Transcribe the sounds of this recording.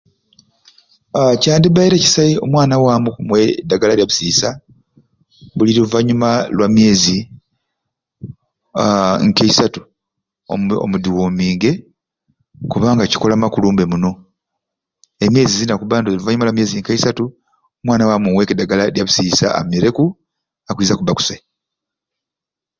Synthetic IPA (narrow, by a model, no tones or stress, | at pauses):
caːndiβaiɾeci̥sajeo̞mwaːnawamumwedːaɡalaljaβusiːsa | βuliluvaɲumalwʔamje̞ːzi | ŋkeisatu̥ | o̰mudiwo̞ːmiːŋɡe̞ | kuβaːŋɡaci̥ko̞lamakuluːmbe̞muno̞ | e̞mje̞ːzizinakuβaːndoziluvaɲumalwamje̞ːziŋkeisatu | mwaːnawamumwe̞kedaɡalaljaβusiːsa̰a̰meɾe̞ku | akwiːzakuβaku̥se